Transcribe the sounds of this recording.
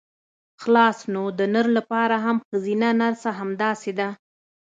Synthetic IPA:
xlɑsnod̪ənəɾlapɑɾaɦamxəzinanaɾsaɦamd̪ɑsed̪a

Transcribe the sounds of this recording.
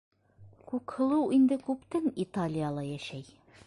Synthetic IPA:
kʉkhɤ̆lˠɤwʔind̪ɘkʉpt̪ɘnit̪alʲijalˠɑjæʃæj

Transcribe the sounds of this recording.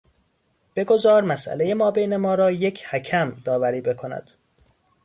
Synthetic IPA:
b̥e̞ɡo̞zɒːɾmæsʔæ̰lejemɒːbejnemɒːɾɒːjecʰhæcʰæmd̪ɒːvæɾiːbe̞kʰo̞næ̰d̪̥

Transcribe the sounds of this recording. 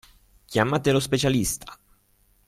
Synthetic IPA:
kjamːat̪elospet͡ʃalist̪ʰḁ

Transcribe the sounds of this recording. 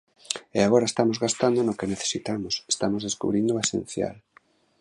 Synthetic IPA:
eaɣɔɾaest̪amozɣast̪and̪onokeneθe̥sit̪amose̥st̪amozðeskṵβɾind̪oesḛnθja̰l

